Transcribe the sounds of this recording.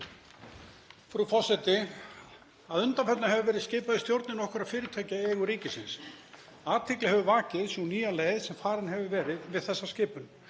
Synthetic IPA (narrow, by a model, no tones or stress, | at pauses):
fɾufɔr̥sɛt̪ɪ | aðʏnt̪anfɛt̪nahɦɛvʏvɛːɾɪðscɪːpaðɪst̪jowɾt̪nɪnɔhkʏɾaðfɪːɾɪt̪ʰɛcaɛːɣʏɾiːcɪsɪns | aːt̪ʰɪklɪhɦɛvʏvaːcɪðswniːjaleːjðsɛmfaːɾɪnɦɛvʏvɛːɾɪðvɪðθɛsːascɪːpʏn